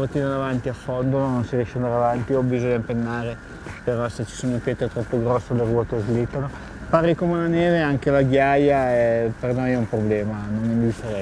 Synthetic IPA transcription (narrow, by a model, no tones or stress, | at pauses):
bot̪ːiːnad̪avant̪iafond̪onononsiɾjɛʃːand̪aɾavant̪iobizoɲːaimpenːaːɾe | peɾɔset͡ʃːi̥soːnopeːt̪et̪ɾɔpːoɡɾɔsːeleruɔːt̪ezɡlit̪ːano | paɾikomeunaneːveaŋk̟elaɡjajaɛpernojɛumpɾoblɛːmanonːind̪ifeɾɛ